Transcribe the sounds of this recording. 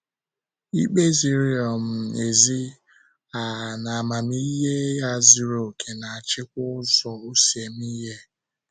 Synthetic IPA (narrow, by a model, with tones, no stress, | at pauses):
i˦k͡pe˦zi˨ɾi˦ɔ˨m̩˨e˨zi˦ | a˨na˨a˨ma˨m˦i˦ɦe˦ja˦˨zi˦ɾo˨kʰe˨na˨a˨t͡ʃɪ˦kʷʊ˦ʊ˦zɔ˨o˦si˨e˨m˦i˦ɦe˦